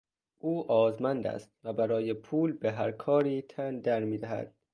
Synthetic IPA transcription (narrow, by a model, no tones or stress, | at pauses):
ʔuːʔɒːzmænd̪æ̰st̪̚væbæɾɒːjepʰuːlbeɦæɾkʰɒːɾiːt̪ʰænd̪æɾmiːd̪æhæ̰d̪̥̚